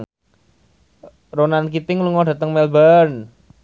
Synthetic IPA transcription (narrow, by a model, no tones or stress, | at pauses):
ronankit̪ɪŋluŋɔɖat̪əŋmɛlbən